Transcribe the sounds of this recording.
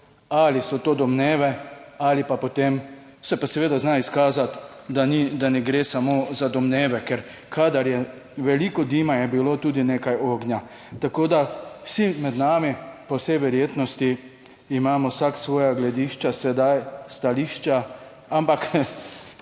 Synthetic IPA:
alisɔt̪oːd̪ɔmneːʋɛalipapɔt̪em | sɛpasɛʋeːd̪aznaiskaːzat̪ | d̪anid̪anɛɡɾeːsamozad̪ɔmneːʋɛkɛɾ | kʰad̪aɾjɛ | ʋɛlikɔd̪imajɛbilot̪uːd̪ineːkajoːɡnja | t̪akoːd̪awsimɛd̪naːmipɔwsɛjʋɛɾjeːt̪nɔst̪iː | maːmɔwsaksʋɔːjaɡlɛd̪iːʃt͡ʃasɛd̪ajst̪aliːʃt͡ʃa | ampak

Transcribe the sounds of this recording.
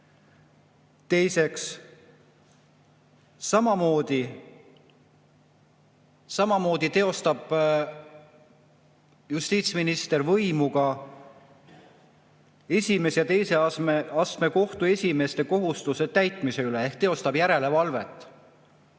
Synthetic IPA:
t̪e̞jse̞ks | sɑmɑmo̞ːd̪̥i | sɑmɑmo̞ːd̪̥it̪e̞o̞st̪ɑb̥ | just̪iːt̪sminist̪e̞rvɤjmuɡ̥ɑ | e̞sʲime̞sjɑt̪e̞jse̞eɑst̪me̞ko̞ht̪ue̞sʲime̞st̪e̞ko̞ɦust̪use̞t̪æjt̪ˑmise̞yleehkt̪e̞o̞st̪ɑb̥jæɾe̞le̞vɑlve̞t̪ːˑ

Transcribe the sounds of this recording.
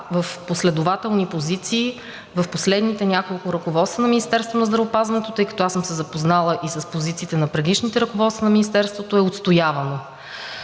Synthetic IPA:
vəfposlɛd̪ʊvat̪ɛlˠnipozit̪siː | vɐfposlɛd̪nit̪ɛnʲakolˠkʊɾɐkovɔt̪st̪vənɐminʲist̪ɛɾst̪vonɐzd̪ɾɐvopazvɐnɛt̪ot̪ɤjkɐ̥t̪oasəmsɛzɐpoznalˠəʔisəspozit̪siːt̪ɛnɐpɾɛd̪iʃnit̪ɛɾɐkovɔt̪sənɐminist̪ɛɾst̪vot̪oɛot̪st̪ojavɐno

